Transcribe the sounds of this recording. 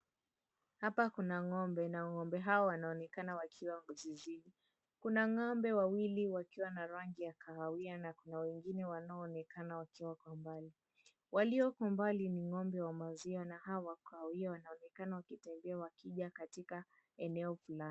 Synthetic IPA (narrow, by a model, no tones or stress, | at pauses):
hapakunaŋɔmbɛnaŋɔmbɛɦawɔwanaɔnɛkanawakʰiwaŋɡuziziɗi | kunaŋɔmbɛwawiliwakiwanaɾaŋɡijakʰaawianakunawɛŋɡinɛwanaɔːnɛkanawakiwakwambali | waliɔkwambaliniŋɔmbɛwamaziɔnaɦawakaawiawanaɔnɛkanawakitɛmbɛawakiʄakatika | ɛnɛɔfulan